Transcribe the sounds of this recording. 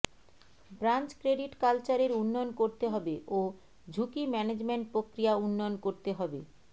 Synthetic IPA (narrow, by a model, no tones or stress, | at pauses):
bɾant͡ɕkɾeɖiʈkalt͡ɕaɾeɾunːojonkoɾt̪eɦɔbeʔo | d͡ʑʱukimɛned͡ʑmeɳʈ̚pɾokɾijaunːojonkoɾt̪eɦɔbe